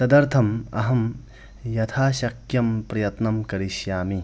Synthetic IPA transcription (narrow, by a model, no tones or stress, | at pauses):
t̪ɐd̪ɐɾt̪ʰɐmɐ̰ɦɐm | jɐt̪ʰaːʃɐkʰjɐmpɾɐjɐt̪nɐmkɐɾiʃjaːmi